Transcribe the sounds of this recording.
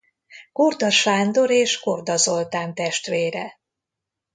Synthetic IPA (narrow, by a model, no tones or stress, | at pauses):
kord̪ɒʃaːnd̪o̞ɾeːʃkord̪ɒzo̞lt̪aːnt̪ɛʃt̪ʋeːɾɛ